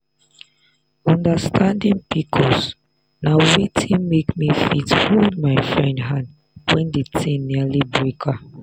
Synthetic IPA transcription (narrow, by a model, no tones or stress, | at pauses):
ɔ̃ndəstʰãndĩŋpikʰɔs | nawitʰĩnmekmifithuldmaɪfɹɛ̃ndɦãnd | wɛ̃ndetʰĩmnilibɹikʰa